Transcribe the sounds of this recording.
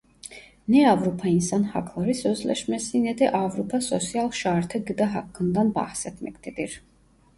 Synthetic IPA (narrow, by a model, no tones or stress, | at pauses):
nɛavɾupʰɑinsɑnhɑ̰kʰlˠɑɾisœzlɛ̰ʃmɛsinɛd̪ɛʔɑvɾupʰɑsɔsjɑlˠʃɑɾt̪ʰəɡəd̪aɦɑkːənd̪ɑnbɑ̰hsɛt̪ʰmɛkt̪ɛd̪iɾ